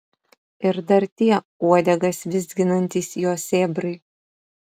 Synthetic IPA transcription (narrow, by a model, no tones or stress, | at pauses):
ɪɾd̪ɐɾt̪ʲiɛ | uɔd̪ʲɛɡɐsʋʲɪzd̪ʲɡʲɪnɐnʲt̪ʲiːsjoːsʲeːbɾɐɪ